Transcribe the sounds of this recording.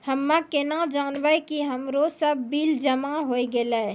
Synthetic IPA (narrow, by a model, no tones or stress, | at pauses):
həmːãkenad͡ʒaːnʋakiɦəmɾosəbːiːld͡ʒəmaɦoːiɡela